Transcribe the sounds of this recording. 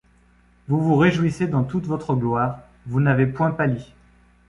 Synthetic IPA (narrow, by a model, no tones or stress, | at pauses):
vuvuʁeʒuwised̪ɑ̃t̪ut̪vɔt̪χəɡlwaːʁ | vunavepwɛ̃pali